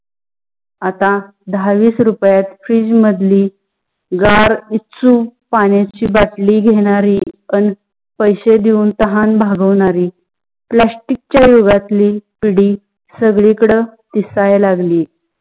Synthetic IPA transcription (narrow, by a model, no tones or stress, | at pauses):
at̪a | d̪aʋiːsɾupjat̪fɾiːd͡ʑməd̪liː | ɡaɾit͡suːpaɳjat͡ɕiːbaʈliːɡʱeɽ̃aɾiːən | pəjɕed̪iuːnt̪əɦanbʱaɡəʋɳaɾiː | plasʈik̚t͡ɕjajoɡat̪liːpiɽiː | səɡɭikɽət̪isajlaɡliː